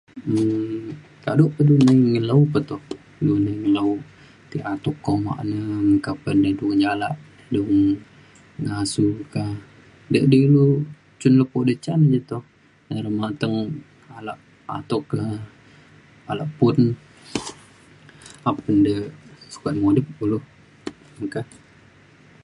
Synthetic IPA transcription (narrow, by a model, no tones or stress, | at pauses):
kaduʔpədunəŋələupət̪ɔh | dunəŋəlau | t̪iat̪ukːɔma̰ʔnəmkapəndədud͡ʒalaʔ | duŋ | ŋasuka | dəʔdəlu | t͡ʃʊnləpoʔdət͡ʃanəd͡ʒət̪ɔh | ɾəmat̪əŋ | alaʔ | a̰t̪okə | alaʔpʊn | apəndəsu̥kat̪̚modəp̚ulu | məkah